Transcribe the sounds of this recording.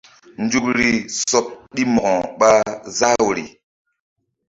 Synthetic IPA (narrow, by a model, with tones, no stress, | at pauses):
n˨˦d͡ʒu˦kɾi˦sɔ˦p̚ɗi˦mɔ˨ɔ˨ɓa˦za˦wo˨ɾḭ˨